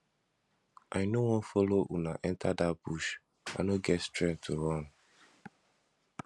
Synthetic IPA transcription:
ʔajnowɔ̃nfɔloʔunaʔɛ̃ntʰadabuʃ | a̰noɡɛtstɹɛ̃nk̚tʰuɹɔ̃n

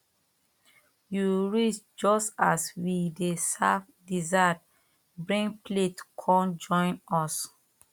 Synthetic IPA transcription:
juɹit͡ʃ | d͡ʒɔstaswidesaf | dizat | bɹĩnpletkʰɔ̃nd͡ʒɔ̃ɪ̃nɔs

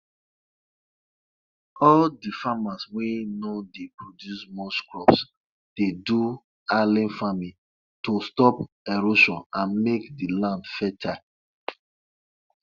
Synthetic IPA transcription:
ɔldifamaswinodepɹodjusmɔskɹɔps | d̥edu | alĩnfamĩ | tostɔp | ɛɹoʃɔ̃nãnmekdilãndfɛtʰa

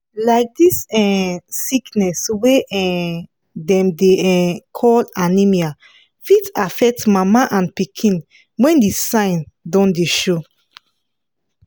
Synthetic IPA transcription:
laɪk̚disɛsiknɛsweɛ̃ | dɛ̃mdeɛkʰɔlanimia | fitafɛk̚tmamaʔãnpikʰĩn | wɛ̃ndisãɪ̃ndɔ̃ndeʃo

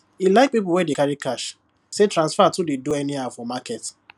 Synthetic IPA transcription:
ilaɪk̚pip̬l̩wɛdekaɾikaʃ | setɾãnsfatudedoɛniaʊfɔmakɛt

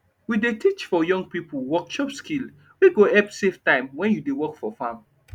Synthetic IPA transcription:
widetit͡ʃfɔjɔ̃ŋɡ̚pipowɔkʃɔpskil | wiɡoɛpseftãɪ̃mwɛ̃njudewɔkfɔfãm

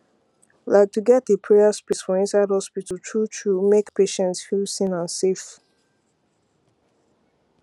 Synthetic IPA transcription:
laɪk̚tʰuɡɛtepʰɹɛəspisfɔ̃ĩnsaɪd̚hɔspitəl̩tʰɹutʰɹumekpʰeʃɛ̃ntsfilsĩnãnsef

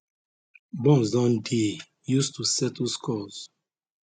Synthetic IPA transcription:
bɔ̃nsdɔ̃nde | justusɛtlskʰɔz̥

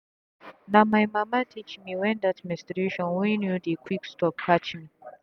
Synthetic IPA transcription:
namajmamatʰit͡ʃmiwɛ̃ndadmɛ̃nstɾeʃɔ̃nwinjudikʰwikstɔp̚kʰat͡ʃmi

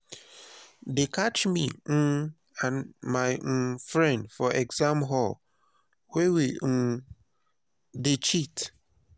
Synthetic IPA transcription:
dekat͡ʃmin̩ | ãnmaɪfɹɛ̃ndfɔʔɛɡzamɦɔl | wewin̩ | det͡ʃit

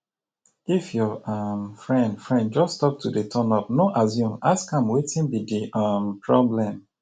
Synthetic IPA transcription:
ifjɔamfɹɛ̃ndfɹɛ̃nd̚d͡ʒɔsstɔp̚tʰudetʰɔnɔpnoʔazjũmaskãmwetʰĩnbidiʔampʰɹɔblɛ̃m

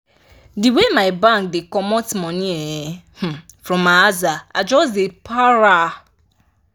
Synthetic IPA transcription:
diwemaɪbãŋk̚dekɔmɔtmɔ̃nieeh̩fɾɔ̃maazaa̰d͡ʒɔs̬depʰaɾa

